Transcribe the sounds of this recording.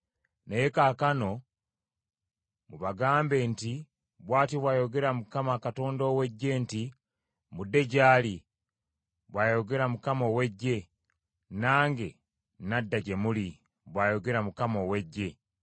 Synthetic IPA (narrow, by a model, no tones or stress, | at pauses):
nejekaːkano̞ | muβaɡaːmbe̞nti | βwaːtiβwaːjo̞ɡe̞ɾamukamakato̞ːndowe̞ɟːe̞nti | mudːe̞ɟaːli | βwaːjo̞ɡe̞ɾamukamoweɟːe̞ | naːŋɡe̞ | nadːaɟe̞muli | βwaːjo̞ɡe̞ɾamukamowe̞ɟːe̞